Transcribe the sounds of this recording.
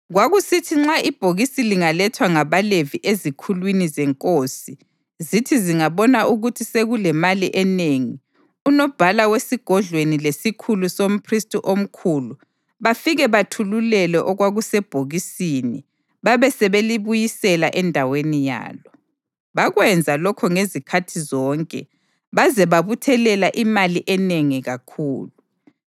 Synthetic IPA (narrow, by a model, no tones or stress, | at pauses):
ɣwaɣusitʰiŋ͡ǁaʔib̥ʱoɣisiliŋalɛtʰwaŋaβaleviʔezikʰulwinizɛŋkʼosi | zitʰiziŋaβɔnaʔuɣutʰiseɣulɛmaliʔɛneŋi | unɔb̥ʱalawesiɡ̥ʱɔɮʱwenilesikʰulusom̩pʰristʼuʔom̩kʰulu | βafiɣɛβatʰululɛlɛʔɔɣwaɣusɛb̥ʱoɣisini | βaβɛsɛβeliβujisɛlaʔɛndʱawenija̰ːlɔ | βaɣwɛnd͡zʱalɔkʰɔŋezikʰatʰizɔːŋkʼɛ̰ | βazɛβaβutʰɛlɛlaʔimaliʔɛneŋiɣakʰuːlu